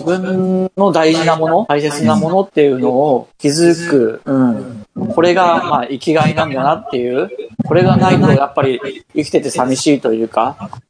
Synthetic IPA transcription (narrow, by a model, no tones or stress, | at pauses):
ibɯ̟̃nːo̞d̪aiʑinamo̞no̞taise̞t͡sɨnamo̞no̞t̪ːe̞jɯ̟no̞ːkʲizɨkɯ̟ɯ̟̃ɴkʰo̞ɾe̞ɡamaːʔikʲiɡainãnd̪anat̪ːe̞jɯ̟ːko̞ɾe̞ɡanait̪ojapːaɾʲiikʲi̥t̪e̞t̪e̞samʲiɕiːt̪o̞jɯ̟ːka